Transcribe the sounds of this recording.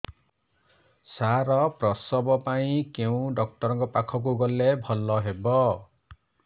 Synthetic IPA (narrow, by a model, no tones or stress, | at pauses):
saɾɔprɔsɔbɔpaĩkew̃ɖʌk̚ʈɔɾɔ̃ŋkɔpakʰɔk̬uɡɔlːebʱɔlːɔɦebɔ